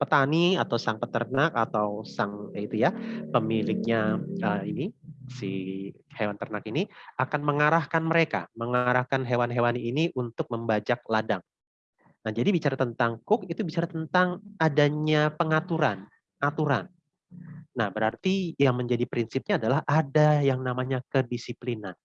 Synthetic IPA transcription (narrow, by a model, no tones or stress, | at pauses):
pət̪aniat̪awsaŋpət̪ərnakat̪awsaŋjait̪ujapəmilɪk̚ɲaəinisi | hewant̪ərnakiniakanməŋaɾahkanməɾeka̰məŋaɾahkanɦewanɦewaniːniʔunt̪ʊk̚məmbad͡ʒak̚ladaŋ | nahd͡ʒadibit͡ʃaɾat̪ənt̪aŋkʊkit̪ubit͡ʃaɾat̪ənt̪aŋadaɲapəŋat̪uɾan | at̪uɾanː | ahbəɾart̪ijaŋməɲd͡ʒadipɾinsip̚ɲaːdalahʔadajaŋnamaɲakədisiplinan